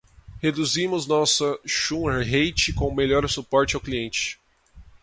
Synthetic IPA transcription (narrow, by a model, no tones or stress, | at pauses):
hed̪uzĩmʊznɔsɐʃũeɾɦejt͡ʃɪkõmeʎɔɾsupɔɾt͡ʃɪawkliẽnt͡ʃɪ̥